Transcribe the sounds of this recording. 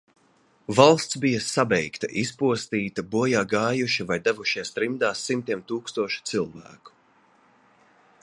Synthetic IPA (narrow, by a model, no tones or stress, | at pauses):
valˠst̪sbijɐsabɛjkt̪ɐ̰ʔispuɔst̪iːt̪ɐbuɔjaːɡaːjuʃivajd̪avuʃist̪ɾimd̪aːsːimt̪iɛmt̪uːkst̪uɔʃi̥t̪silˠvæ̰ːku̥